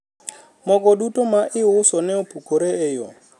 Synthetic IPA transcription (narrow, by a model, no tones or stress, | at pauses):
mɔkʼɔdutʼʊmaʔɪɦʊsɔnɛʊpʰukʰʊɾɛɛːjɔ̰